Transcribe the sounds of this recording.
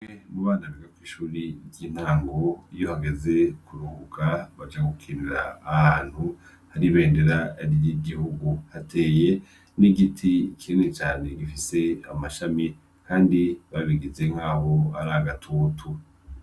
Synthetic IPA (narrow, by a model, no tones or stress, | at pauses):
emuβaːndaβiɡakwiːʃuːɾiɾiːn̥haːŋɡo̞ijo̞haɡe̞ze̞kuɾuhukʰaβad͡ʒaɡukʰiːniɾa̰ːhaːn̥hu | haɾiβe̞ːnde̞ɾaɾjiɡihuɡuhatʰe̞ːje̞ | niɡitʰikʰenet͡ʃaːne̞ɡifise̞amaʃami | kʰaːndiβaβiɡize̞ŋ̥aːho̞aɾaɡatʰoːtʰu